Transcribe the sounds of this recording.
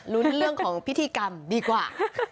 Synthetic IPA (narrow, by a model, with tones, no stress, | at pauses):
nu˦˥nɾɯ˥˩əŋkʰɔː˩˦ŋpʰi˦t̪ʰːiː˧ka˧mdiː˧kwaː˨˩